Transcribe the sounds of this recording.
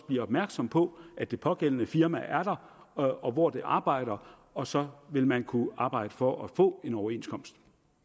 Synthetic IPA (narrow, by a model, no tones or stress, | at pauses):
b̥liɐɒ̽b̥mæɐɡ̥sɒ̽mpʰɒ̽ʔæd̥e̝pʰɒ̽ɡ̥elənəfiɐmæʔæɐɾ̥ɑ̈ | ɒ̽ʋɒd̥e̝ʔɑ̈ːb̥ɑ̈ɪ̰ɾ̥ɐ | ɒ̽sɒ̽ʋe̝lmænkʰuɑ̈ːb̥ɑ̈ɪ̰d̥əfɒ̽ʔæfɔ̰̽ːe̝nɒʊɐe̝̰ːnskʰɒ̽msd̥